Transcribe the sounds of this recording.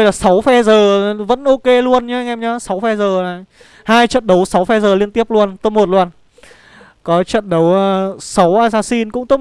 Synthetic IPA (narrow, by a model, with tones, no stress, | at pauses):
t̪o˧jlaː˨˩sa˨˦wfɛ˧zəː˨˩˨və̰˧˥nʔo˧ke˧lu˧ənɲa˧˦˧ŋʔɛ˧mɲə˨˦sa˨˦wfɛ˧zəː˨˩na˨˩j | haː˧jt͡ɕə̰˧˨nɗə˨˦wsa˨˦wfɛ˧zəː˨˩li˧ənt̪i˦˥əp̚lu˧ənt̪ə˧˦˥mo˨˩t̚lu˧ən | kɔ˨˦t͡ɕə̰˧˨nɗə˨˦wəː˧sa˨˦wʔaː˧zaː˧si˧nkʊ̰˧˥ŋ͡mt̪o˨˦